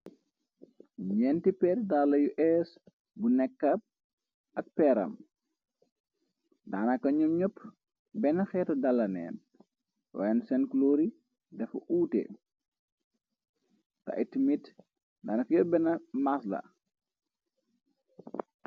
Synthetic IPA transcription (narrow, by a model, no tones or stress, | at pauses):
ɲɛntipɛːɾdalɐjuʔɛs | bunɛkːɐp̚ | ɐk̚pɛɾɐ̰m | daːnɐkːɐɲumɲɔpː | bɛnɐxɛːtɐdɐlːɐnɛ̰ːn | wa̰ːjɛnsɛnkloːɾi | dɛfṵʔuːtḛ | tɐ̰ʔitimit | daːnɐkjɔbɛnɐmaslɐ̰